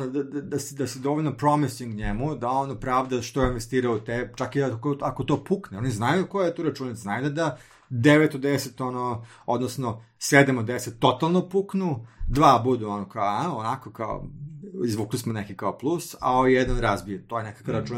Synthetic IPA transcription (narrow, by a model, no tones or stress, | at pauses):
nod̪ad̪ad̪asd̪ased̪oʋoʎʲnopɾomisiŋɡɲemud̪aonopɾaːʋd̪aʃt̪oinʋest̪iːɾaot̪et͡ʃakiakoakot̪oːpukneo̞niznajukojejet̪oːɾat͡ʃuːnat̪znajud̪ad̪a | d̪eʋet̪od̪eset̪ono | od̪nosno | sʋed̪emod̪eset̪ːo̞t̪alˠnopuknud̪ʋaːbud̪uonokaoaonakokao̰izʋuːklismonekikaoplˠusa̰ojed̪anɾazbijet̪oːjenekḁkaɾat͡ʃuːn